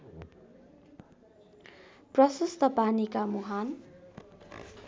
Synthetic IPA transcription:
prʌsust̪ʌpanikamuɦan

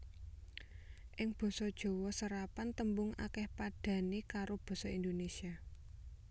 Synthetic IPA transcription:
ʔɪŋb̥ɔ̤sɔd̥ʒ̥o̤wɔsəɾapant̪əmbʊŋa̰kɛhpaɖ̥ä̤nekaɾob̥ɔ̤sɔind̪onesia

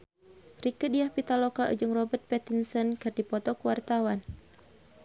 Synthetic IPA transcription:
rikɨdijahpit̪alɔkaʔṵd͡ʒɨŋrɔbərt̪̚pɛt̪insənkɨrdipɔt̪ɔkuwart̪awan

